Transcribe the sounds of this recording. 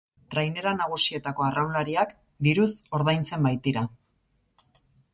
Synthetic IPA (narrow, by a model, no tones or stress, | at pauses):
t̪ɾajne̞ɾanaɣ̞usie̞t̪ako̞arawlaɾiak | d̪iɾuso̞ɾðajnt͡se̞mbajt̪iɾa